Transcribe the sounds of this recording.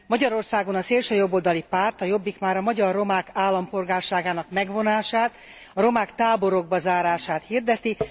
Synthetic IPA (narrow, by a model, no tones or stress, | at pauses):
mɒɟɒɾo̞rsaːɡo̞nɒseːlʃøːjo̞bːo̞ld̪ɒlipaːrt̪ɒjo̞bːikmaːɾɒmɒɟɒrːo̞maːkaːlːɒmpo̞lɡaːrʃaːɡaːnɒkmɛɡvo̞naːʃaːt̪ | ɒɾo̞maːkt̪aːbo̞ɾoɡ̚bɒzaːɾaːʃaːt̪hird̪ɛt̪i